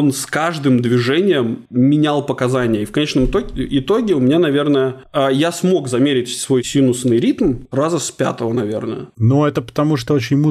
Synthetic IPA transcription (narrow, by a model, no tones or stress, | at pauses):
onskaʐd̪ɨmd̪vʲɪʐɛnʲɪjəmːʲɪnʲalˠpəkɐzanʲɪjəifkɐnʲet͡ɕnəmt̪oɪt̪o̞ɡʲɪʊmʲɪnʲanɐvʲe̞rnəjəajasmo̞kzɐmʲeɾʲɪtʲsvo̞jsʲinʊsnɨjɾʲit̪mrazəspʲa̰t̪əvənɐvʲe̞̰rnə̰jə̰nuɛt̪əpə̥t̪ɐmuʂt̪oot͡ɕɪnʲmu